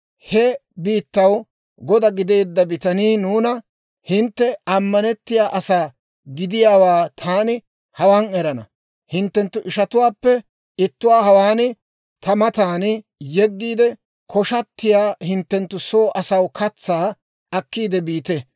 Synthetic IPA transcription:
hɛbiːt̪ːɐw | ɡɔd̪ɐɡɪd̪e̞ːd̪ːɐbɪt̪ɐniːnuːnɐ | hɪnt̪ːɛɐmːɐnɛt̪ːɪjaːʔɐsaː | ɡɪd̪ɪjaːwaːt̪ʰaːnɪ | hɐwaːnɛɾɐnɐ̰ | hɪnt̪ːɛnt̪ːʊʔɪʃɐt̪ʊwaːpːɛ | ɪt̪ːʊwaːɦɐwaːn | t̪ʰɐmɐt̪aːn | jɛɡːiːd̪ɛ | kʰɔʃɐt̪ːɪjaːhɪnt̪ːɛnt̪ːʊsoːʔɐsɐwkɐt͡sːaː | ɐkːiːd̪ɛbiːt̪ɛ

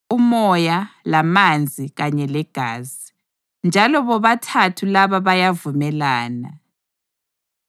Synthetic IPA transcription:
umɔjalamand͡zʱiɣaɲɛlɛɡ̥ʱaːzi | nd͡ʒʱalɔβɔβatʰatʰulaβaβajavumɛlaːna

